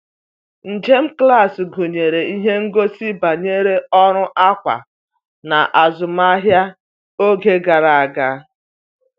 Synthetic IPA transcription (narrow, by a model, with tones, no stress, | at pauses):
n̩˨d͡ʒe˦m̩˦kla˦˨sɡo˨ɲe˨ɾe˨i˦ɦe˦ŋ̩˦ɡo˦si˦ba˨ɲe˦ɾe˦ɔ˦ɾʊ˦ʔa˦kʷa̰˨ | na̰˨ʔa˨zʊ˨m˦a˦ɦja˦ | o˦ɡe˦ɡa˨ɾa˨a˨ɡa˦